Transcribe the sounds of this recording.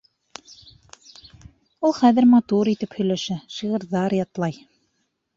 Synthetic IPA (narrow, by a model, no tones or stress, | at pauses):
ulˠχæðɘ̆ɾmɑt̪uɾit̪ɘphɵ̆jlæʃæʃiʁɤ̆ɾðɑɾjɑt̪lˠɑj